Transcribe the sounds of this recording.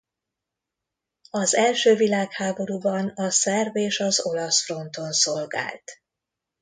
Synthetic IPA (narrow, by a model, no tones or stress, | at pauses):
ɒzɛlʃøːvilaːkhaːbo̞ɾuːbɒnɒsɛrbeːʃɒzo̞lɒsfro̞nt̪o̞nso̞lɡa̰ːlt̪